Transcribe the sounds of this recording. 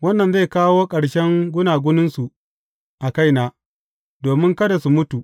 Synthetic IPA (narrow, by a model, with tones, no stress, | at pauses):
wɐ˦nːɐ˨nza˦˨jkaː˦woː˦kʼɐ˨ɽʃɛ˦ŋɡʷʊ˦naː˨ɡʷʊ˦nɪ˦nsu˨ | ʔa˨ka˦jnaː˦ | doː˨mɪ˦ŋkɐ˦da˨su˨mʊ˦tu˨ʔ